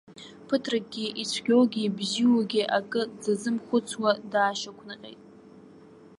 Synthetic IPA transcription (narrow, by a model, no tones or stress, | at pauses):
pʰɨtʰrak̚ɡʲiʔit͡sʷʰɡʲowɡʲibziwaɡʲiʔakʼɨd͡zazɨmχʷʊt͡sʰwadaːʃakʷʰnɨqʲʼḛjtʼ